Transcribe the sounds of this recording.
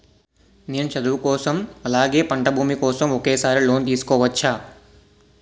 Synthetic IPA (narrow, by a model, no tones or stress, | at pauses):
nijɐnt͡ʃɐd̪uʋkɔːsɐmɐlaːɡe̞ːpɐɳʈɐbʱuːmikɔːsɐmokeːsaːɾiloːnt̪iːsu̥kɔːʋɐt͡ʃʰːaː